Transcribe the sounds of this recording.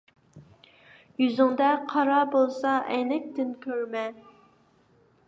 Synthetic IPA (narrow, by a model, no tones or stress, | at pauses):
jyzyŋd̪ɛqʰɑɾɑbolˠsɑʔɛnɛk̚ʲt̪ɪnkʲʰøɾmɛ